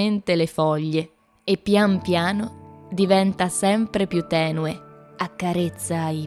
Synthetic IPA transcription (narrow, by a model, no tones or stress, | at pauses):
ent̪elefɔʎːeː | pːjampjaːnod̪ivɛnt̪asɛmpɾepjut̪ːɛːnueakːaɾet̪sːaːi